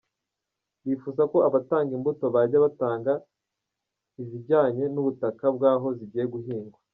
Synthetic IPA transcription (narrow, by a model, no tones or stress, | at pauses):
βifuːzako̞aβataːŋɡimbuto̞βaɾɟaβataːŋɡa | iβiɟaːɲe̞nuβutakab̚ɡaːɦo̞ziɟiːjeɡuhiːŋɡwa